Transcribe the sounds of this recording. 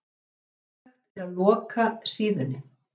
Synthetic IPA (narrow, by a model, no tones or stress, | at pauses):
at̪ɪɾaðlɔːkasiːðʏnːɪ